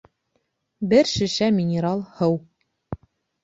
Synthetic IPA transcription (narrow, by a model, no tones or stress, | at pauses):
bɘɾʃɵ̆ʃæmʲɪnʲɪɾɑlˠhɤw